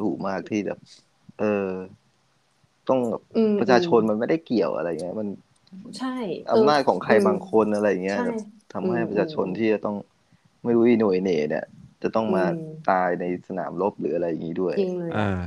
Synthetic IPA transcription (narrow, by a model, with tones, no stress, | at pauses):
duː˨˩k̚maː˥˩k̚t̪ʰiː˥˩bɛ̰ː˨˩p̚ | ʔɤː˧ | t̪ɔ˥˩ŋbɛ̰ː˨˩p̚pɾa˧t͡ɕʰaː˧t͡ɕʰo˧nma˧nma˥˩jda˥˩jki˨˩əwʔa̰˧ɾa˧ja˨˩ŋːi˦˥ma˧n | t͡ɕʰa˥˩jʔa̰˧mnaː˥˩t̪̚kʰɔː˩˦ŋkʰa˧jbaː˧ŋkʰo˧nʔa˧ɾa˧jːa˨˩ŋːi˦˥ɐbɛː˨˩p̚t̪ʰa˧mha˥˩jpɾa˧t͡ɕʰaː˧t͡ɕʰo˧nt̪ʰiː˥˩t͡ɕa˨˩t̪ɔ˥˩ŋ | ma˥˩jɾuː˦˥ʔiː˧nu˨˩jneː˩˦nḭ˥˩ɐt͡ɕa˨˩t̪ɔ˥˩ŋmaː˧t̪aː˧jna˧jsa˧na̰ː˩˦mlo˦˥p̚ɾɯ̰ː˩˦ʔa˧ɾa˧jːa˨˩ŋːi˦˥du˥˩əjŋlːaː˨˧˩